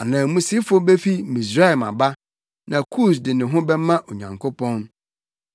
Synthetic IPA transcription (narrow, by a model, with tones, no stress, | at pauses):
a˨nã˨mũ˦si˦fo˦be˦fi˦mĩ˨sɾa˦˨mã̰˨ba˦ | nã˨kʰuː˦˨s̬dɪ˨nɪ̃˨ɦʊ̃˦bɛ˦mã˦ʔo˨ɲã̰˨ŋkʰo˦pʰɔ̃˦n